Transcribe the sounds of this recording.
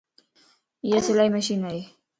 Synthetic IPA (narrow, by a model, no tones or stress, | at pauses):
jasɪlajmaʃinaj